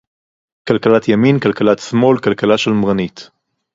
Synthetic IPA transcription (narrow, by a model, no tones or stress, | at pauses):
kalkalat̪ʰjaminkalkalat̪smo̞lkalkalaʃelmʁanit̪